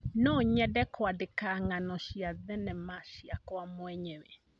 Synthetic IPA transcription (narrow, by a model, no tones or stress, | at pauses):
nɔɲɛdɛkwadekaŋanɔʃiaðɛnɛmaʃiakwamoɛɲɛwɛ